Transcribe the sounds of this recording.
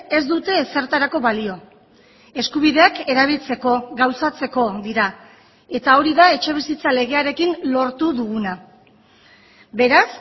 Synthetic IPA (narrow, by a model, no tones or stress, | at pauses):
e̞zd̪ut̪e̞se̞ɾt̪aɾako̞βalio̞ | e̞skuβ̞iðe̞ake̞ɾaβ̞ilt͡se̞ko̞ɡawsat͡se̞ko̞ðiɾa | e̞t̪ao̞ɾiðae̞t͡ʃe̞β̞isit͡sale̞ɣ̞e̞aɾe̞kinlo̞ɾt̪uðuɣuna | be̞ɾas